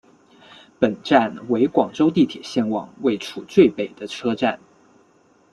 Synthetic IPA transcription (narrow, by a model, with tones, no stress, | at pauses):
pə˨˩nʈ͡ʂa˥˩nwe˧˥ɪkwɑ˨˩ŋʈ͡ʂo˥ʊt̪i˥˩t̪ʰjɛ̰˨˩ɕjɛ˥˩nwɑ̰˨˩ŋwe˥˩ɪʈ͡ʂʰu˨˩t͡swe˥˩ɪpe˨˩ɪd̪̥ə˦ʈ͡ʂʰɤ˥ʈ͡ʂa˥˩n